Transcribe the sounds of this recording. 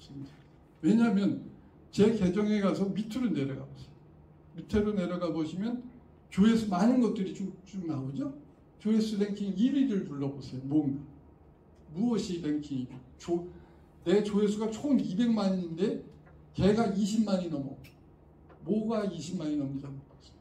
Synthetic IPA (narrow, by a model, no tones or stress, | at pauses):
s͈ɯmɲida | we̞ɲamjʌn | t͡ɕe̞ke̞d͡ʑʌŋe̞ɡas̬ʰʌmitʰɯɾone̞ɾjʌɡa̰bosʰe̥joo | mitʰeɾone̞ɾjʌɡaboɕʰimjʌn | t͡ɕoe̞sʰumanɯnɡʌt̚t͈ɯɾit͡ɕʰut͡ɕ͈umɯɭɦaɡod͡ʑo | t͡ɕoe̞sʰɯɾeŋkʰiŋiiɾiɾɯɭtuɭːʌbosʰejomoŋɡa | muʌɕʰiɾeŋkʰiŋi | t͡ɕo | net͡ɕoesʰuɡat͡ɕʰoɯmibe̞ŋmaɲinnde̞ | ke̞ɡaiɕ̬ʰimmaɲinʌmʌ | moɡaiɕʰimmaɲinʌmid͡ʑamop͈as͈ɯ